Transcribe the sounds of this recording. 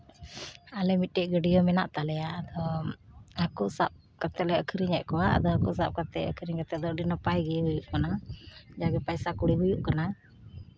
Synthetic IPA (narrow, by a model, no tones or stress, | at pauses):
alɛmit̪̚ʈɛʔɡəɖijɔmɛna̰ʔt̪alɛjaːd̪ɔ | akusa̰p̚ | kat̪ɛlɛəkʰəɾiɲɛʔ̪̚kɔwaa̰d̪ɔakusap̚kat̪ɛʔə̰kʰəɾiɲkat̪ɛd̪ɔɖinɔpajɡɛɦujuʔkanad͡ʒaɡɛpajsakuɽiɦujuʔkana